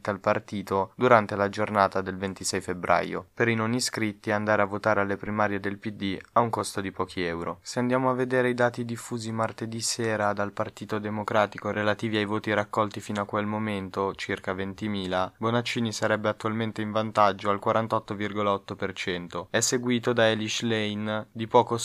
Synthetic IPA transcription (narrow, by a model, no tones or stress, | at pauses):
t̪alpart̪iːt̪od̪uɾant̪elad͡ʒornaːt̪ad̪elvent̪isɛjfebɾʔa̰jo̰peɾinoniskɾit̪ːiand̪aːɾeavːot̪aːɾealːepɾimaːɾjed̪elpid̪ːiauŋkost̪od̪ipɔːkʰiɛwɾo̰seand̪jaːmoavːed̪eːɾeid̪aːt̪id̪ifːuːzimart̪ed̪iseːɾad̪alpart̪iːt̪od̪emokɾaːt̪ikoɾelat̪iːviajvoːt̪iɾakːɔlt̪ifiːnoakːwelmoment̪ot͡ʃirkavent̪imiːlabonat͡ʃːiːnisaɾɛbːeat̪ːualment̪eiɱvant̪ad͡ʒːoalkwaɾant̪ɔt̪ːovirɡolaɔt̪ːopert͡ʃɛnt̪oɛsːeɡwiːt̪od̪aeliʃlɛjnd̪ipɔːko